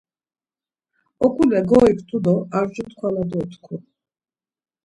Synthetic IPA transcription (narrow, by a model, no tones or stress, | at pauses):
ɔkʰʼulɛɡɔikʰʼt̪ʼud̪ɔaɾt͡ʃʼut̪kʰwalad̪ɔt̪ʰkʰu